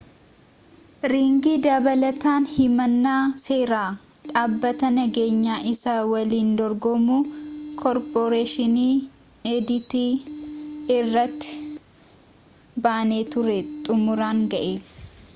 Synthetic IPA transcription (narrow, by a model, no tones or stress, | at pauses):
ɾiːŋɡiːd̪ɐbɐlɐt̪aːnhɪmɐnːaːse̞ːɾaː | ᶑaːbːɐt̪ɐnɐɡe̞ːɲːaːʔɪsɐwɐliːnd̪ɔɾɡɔmuːkʰɔɾpoɾeːʃɪniː | ed̪ɪt̪iː | rːɐt̪ːɪ̥ | baːneːt̪ʊɾɛt̪ʼʊmʊɾaːŋɡɐʔeː